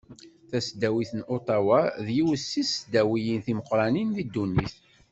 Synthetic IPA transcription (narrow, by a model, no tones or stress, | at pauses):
θæsd̪æwiθənʔot̪ˤɑwaðjiwəsːisd̪æwijinθiməqɾˤɑninðid̪ːunːiθ